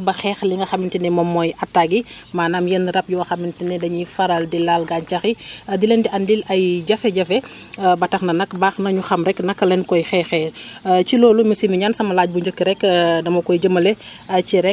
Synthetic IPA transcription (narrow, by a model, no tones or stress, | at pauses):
bɐxɛːxliŋɡɐxɐmintinɛmɔmːɔjɐtːaɡi | maːnaːmjɐnɾɐp̚juwɐxɐmintinɛdɐɲifɐɾaldilalɡant͡ʃɐxidilɛndiɐnlilɐjɟɐfɛɟɐfɛ | bɐtɐxnɐnɐkbaːxnɐɲuxɐmɾɛknɐkːɐlɛnkɔjxɛːxɛt͡ʃilɔːlumisimiɲansɐmɐlaːɟ̚buɲd͡ʒɔkːiɾɛkdɐmɐkɔjɟəmɐlɛ | ɐt͡ʃiɾɛ